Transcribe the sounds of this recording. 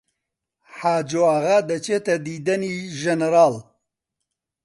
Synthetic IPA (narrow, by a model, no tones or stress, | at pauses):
ħaːd͡ʒoaɣad̪ɐt͡ʃet̪ɐd̪iːd̪ɐniːʒɛnɾaːl